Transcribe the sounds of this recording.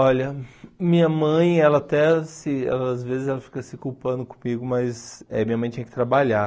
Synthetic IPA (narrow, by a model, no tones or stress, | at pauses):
ɔʎɐmĩɲɐmɐ̃j̃ɛlɐːt̪ɛsɪɛ̰lɐːzvezɪzɛlɐfi̥kɐsɪkuwpɐ̃nd̪ʊkõ̥miɡʊmɐzɛmĩɲɐmɐ̃j̃t̪ẽj̃kɪt̪ɾabaʎa